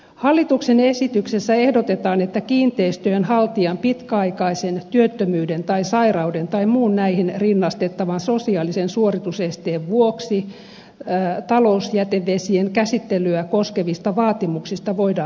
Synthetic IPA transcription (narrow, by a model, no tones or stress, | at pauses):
hɑlːit̪uksenesit̪yksesːæehdot̪et̪ɑːnet̪ːækiːnt̪eist̪øønhɑlt̪iɑmpit̪kæɑikɑisent̪yøt̪ːømyːdent̪ɑisɑirɑudent̪ɑimuːnnæihinrinːɑst̪et̪ːɑʋɑnsosiɑːlisensuorit̪usest̪eːʋʋuoksi | t̪ɑlousjæt̪eʋːesieŋkæsit̪ːelyækoskeʋist̪ɑʋɑːt̪imuksist̪ɑʋoidɑː